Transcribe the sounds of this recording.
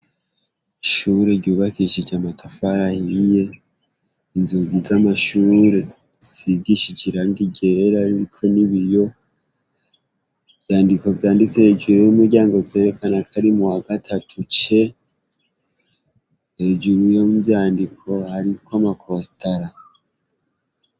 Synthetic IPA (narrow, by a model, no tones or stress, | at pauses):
iʃuːɾe̞ɾɟuːβakiʃid͡ʒɟamatʰafaɾahije | inzuɡizamaʃuːɾe̞ | z̥iɡiʃid͡ʒiɾanɡiɡe̞ɾaɾiɾikʰo̞niβijo̞ | bjaːndiko̞vjaːndit͡sehed͡ʒuɾejumuɾɟaːŋɡo̞vje̞ːɾekʰanakʰaɾimuwaɡatʰatʰut͡ʃe̞ | he̞d͡ʒuɾujomubjaːndikʰo̞haɾikoamakʰo̞staɾa